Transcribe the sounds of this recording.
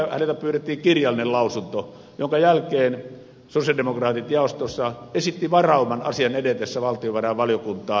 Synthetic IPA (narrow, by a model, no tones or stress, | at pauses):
hænelt̪æpyːret̪ːiːŋkirjɑlːˑinellɑˑusunt̪o | joŋkɑjælkˑeːn | sosjɑldemokrɑːt̪it̪jɑˑost̪ˑosːɑesit̪ːiʋɑrɑˑumːˑɑnɑ̰sijɑnedet̪esːæʋɑlt̪ijoʋærɑʋʋɑljokunt̪ˑɑː